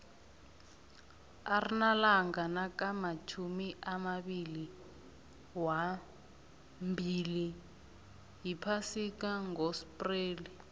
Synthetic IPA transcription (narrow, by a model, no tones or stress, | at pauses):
arinalaŋɡanakamat͡ʃʰumiʔamaɓili | wa | mbʱili | ɦipʰasikaŋɡospʼreːli